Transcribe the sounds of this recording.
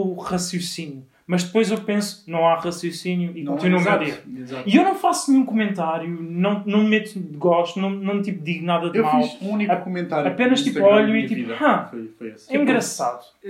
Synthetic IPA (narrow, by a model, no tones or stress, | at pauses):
ʁɐsjusinju | mɐʒd̪ɨpojzewpẽsu̥nɐ̃w̃aʁɐsjusinjuikõt̪inuɐmaizaiewnɐ̃w̃fasnɲũkumẽnt̪aɾjunɐ̃w̃nɐ̃w̃mmɛt̪ud̪ɨɣɔʃt̪unɐ̃w̃nɐ̃w̃t̪ipd̪iɣnaðɐðewmafliʃũunikkumẽnt̪aɾɐpenɐʃt̪ipɔʎuit̪iphãfofojsɛĩŋɡɾɐsa̰ðu